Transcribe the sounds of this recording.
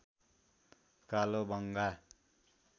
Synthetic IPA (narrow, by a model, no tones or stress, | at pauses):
kalobʌŋɡa